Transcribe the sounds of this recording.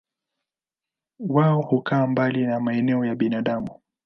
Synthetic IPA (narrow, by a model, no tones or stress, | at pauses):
waɔhukaːmbalinamaɛnɛɔjaɓinaɗamu